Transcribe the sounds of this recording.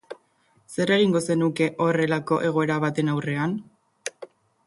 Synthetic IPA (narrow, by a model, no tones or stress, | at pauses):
se̞re̞ɣiŋɡo̞se̞nuke̞ʔo̞re̞lako̞ʔe̞ɣ̞o̞e̞ɾaβat̪e̞nawre̞an